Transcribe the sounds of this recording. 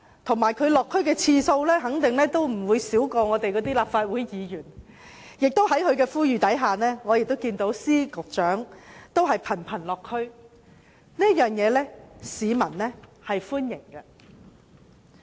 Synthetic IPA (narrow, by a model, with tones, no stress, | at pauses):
t̪ʰʊ˨˩ŋmaː˨˩jkʰɵ˨˧ɥlɔː˨kʰːɥkɛː˧t͡sʰiː˧so˧wlɛː˥ɦɐ˨˥ŋt̪ɪ˨ŋlɛː˥t̪o˥wm̩˨˩wuː˨˧jsiː˨˥wkɔː˧ŋɔː˨˧t̪e˨jkɔː˨˧˥t̪iː˥laː˨p̚faː˧t̚wuː˨˥jjiː˨˧jyː˨˩n | jɪ˨k̚t̪o˥whɐ˨˥jhɵ˨˧ɥkɛː˧fuː˥jyː˨˩t̪ɐ˨˥jɦaː˨nɛː˥ŋɔː˨˧jɪ˨k̚t̪o˥wkiː˧nt̪o˨˥wsiː˥kʊ˨k̚t͡ʃœː˨˥ŋt̪o˥wɦɐ˨jpʰɐ˨˩npʰɐ˨˩nlɔː˨kʰːɵ˥ɥ | ni˥ɐ˥t̚jœː˨˩ŋjɛː˨˧lɛː˥siː˨˧mɐ˨˩nlɛː˥hɐ˨jfuː˥njɪ˨˩ŋkɐ˧